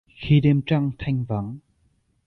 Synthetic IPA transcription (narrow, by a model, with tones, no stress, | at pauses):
xi˧ɗe˧mt͡ɕa˧ŋt̪ʰa˧jŋ̟və˨˦n